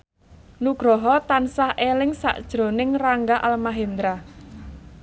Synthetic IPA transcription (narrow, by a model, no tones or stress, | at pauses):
nuɡ̥ɾɔɦɔt̪ansahelɪŋsa̰ʔd̥ʒ̥ɾo̤nɪŋraŋɡaʔalmaɦend̪ɾa